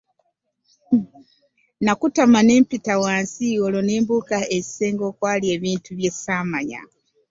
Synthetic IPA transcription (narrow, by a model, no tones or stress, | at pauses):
nakutamaneːmpitawaːnsioloneːmbukaezi̥seːŋɡo̞kwaːlie̞βiːntuβje̞saːmaɲa̰